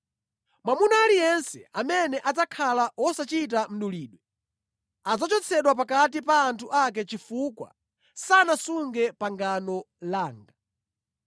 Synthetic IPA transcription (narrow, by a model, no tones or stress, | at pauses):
mwamunaːlijɛnsɛamɛnɛʔad͡zakʰalawɔsat͡ʃit̬am̩ɗuliːɗwɛ | ad͡zat͡ʃɔt͡sʰɛɗwapakatipaːntʰuʔak̬ɛt͡ʃifukwa̰ | sanasuŋɡɛpaŋɡanɔ | laːŋɡa